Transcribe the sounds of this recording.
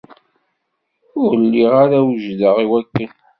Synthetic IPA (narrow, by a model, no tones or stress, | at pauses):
ʊɾlːiʁaɾawəʒðəʁiwækːən